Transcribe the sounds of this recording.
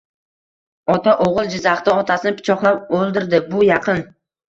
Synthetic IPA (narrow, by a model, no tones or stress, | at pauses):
ɒt̪ʰaʔoʁɨlˠd͡ʒɪzaχt̪aɒt̪ʰasɪnɪpɪ̥t͡ʃʰɒχlˠapolˠd̪ɪɾd̪ɪbʊjɑqʰɨn